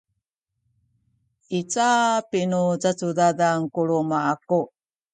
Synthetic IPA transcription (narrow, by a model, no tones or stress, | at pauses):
it͡sapinut͡sat͡sudadaŋkuɭumaaku